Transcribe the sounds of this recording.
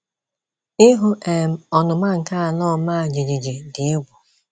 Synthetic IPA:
ɪ˦ɦʊ˦ʔe˨m̩˨ɔ˨nʊ˨ma˦ŋ̩˨ka˦a˨nɔ˦˨ma˦a˨d͡ʒe˨d͡ʒe˨d͡ʒe˨dɪ˨ɪ˦ɡʷʊ˨

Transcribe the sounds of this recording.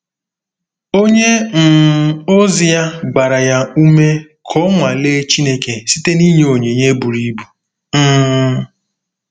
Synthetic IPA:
o˦ɲe˦n̩˨o˦zi˦ja˦ɡ͡ba˨ɾa˨ja˦u˦me˦ | kʰɔ˦ŋʷa˨le˦t͡ʃi˦ne˦ke˨si˦te˦ni˦ɲe˦˨o˨ɲe˨ɲe˦bu˨ɾi˦bu˨ | m̩ː˦

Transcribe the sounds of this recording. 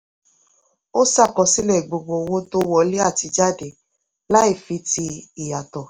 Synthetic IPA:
o˦sa˦˨kɔ˧si˦lɛ˦˨ɡ͡bo˨ɡ͡bo˧wo˦to˦wɔ˦˨le˦a˦˨ti˧d͡ʒa˦˨de˨˦ | la˦i˦˨fi˨˧˦ti˧i˨ja˨tɔ˨

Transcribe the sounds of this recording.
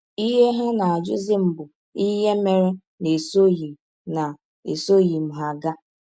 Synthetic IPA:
i˦ɦe˦ɦe˦na˨a˨d͡ʒʊ̰˦zɪ˦m̩˦bʊ˨ | i˦ɦe˦me˦ɾe˦ | ne˨so˦ji˨ | na˨ | e˨so˦˨ji˨m̩˨ɦa˨ɡa˦

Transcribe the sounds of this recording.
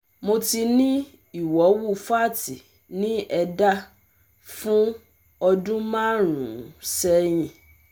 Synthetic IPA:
mõ˧ti˧nĩ˦ | i˨wɔ˨˦wu˦fa˦˨ti˨ | nĩ˦ɛ˧da˦ | fũ˦ | ɔ˧dũ˦mã˦ɾ̃ṵ̃˨sɛ˦ɲ̃ĩ˨

